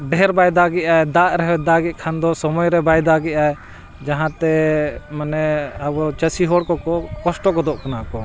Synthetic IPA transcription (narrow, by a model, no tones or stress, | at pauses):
ɖɛɾbajd̪aɡɛʔaɛd̪aɾɛɦɛd̪aɡit̪̚ˀkʰand̪ɔsɔmɔjɾɛbajd̪aɡɛʔaɛ | d͡ʒaɦãt̪ɛmənɛəbɔt͡ʃəsiɦɔɽkɔkɔkɔsʈɔkɔd̪ɔʔkɔnaʔkɔ